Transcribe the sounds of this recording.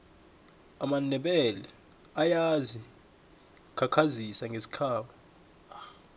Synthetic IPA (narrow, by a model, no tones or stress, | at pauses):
amanɛɓɛlɛ | ajazi | kʰakʰazisaŋɡʱesi̥kʰaːɓɔ | ax